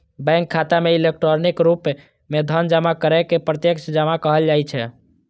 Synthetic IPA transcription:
bɛ̃ŋkʰːat̪ameilekʈɾoɾnikɾup | med̪ʱənd͡ʒəmakəɾɛkepɾət̪jəkt͡ʃd͡ʒəmakəɦəld͡ʒajt͡ʃʰɛ

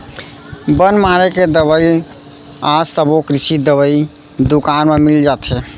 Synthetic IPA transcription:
bənmaɾeked̪əβəi | ad͡ʒsəbokɾisid̪əbəi | d̪ukanmemild͡ʒat̪ɛ

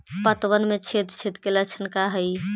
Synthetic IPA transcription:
pət̪ʋənmẽt͡ʃʰet̪t͡ʃʰet̪kelət͡ʃʰənkaɦəi

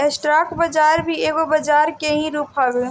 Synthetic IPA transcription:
ɛsʈɾaːkbəd͡ʒaːɾbʱieɡobəd͡ʒaːɾkeɦĩɾuːpʰabe

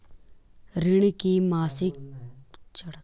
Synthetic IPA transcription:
ɾɪɽ̃kimaːsɪk̚ | t͡ʃɐɽ

